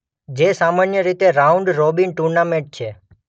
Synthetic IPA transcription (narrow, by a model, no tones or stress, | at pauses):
d͡ʒesamanjəɾit̪eɾaũɳɖɾobinʈuɾnamẽɳʈ̚t͡ʃʰe